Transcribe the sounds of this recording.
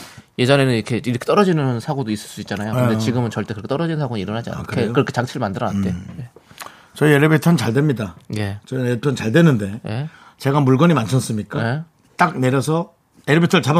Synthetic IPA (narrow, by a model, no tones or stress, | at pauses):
je̞d͡ʑʌne̞nɯniɾkʰe̞iɾʌkʰt͈ʌɾʌd͡ʑinɯnsʰaɡodois͈ɯɭs͈uitt͡ɕ͈anajokɯndet͡ɕiɡɯmɯnt͡ɕʌɭt͈ekɯɾʌkʰt͈ʌɾʌd͡ʑinɯnsʰaɡoiɾʌnɦad͡ʑia̰kkʰekɯɾʌkʰe̞t͡ɕaŋt͡ɕʰiɾɯɭmandɯɾʌna̰nt͈e̞je̞ | t͡ɕʌieɾebetʰʌnt͡ɕaɭdwemɲidaje̞t͡ɕʌepʰjʌnt͡ɕaɭdwenɯnde̞je̞ | t͡ɕe̞ɡamuɭɡʌɲimant͡ɕʰʌs͈ɯmɲik͈ae | t͈ak̚ne̞ɾjʌsʰʌ | eɾɯbetʰɯɭt͡ɕab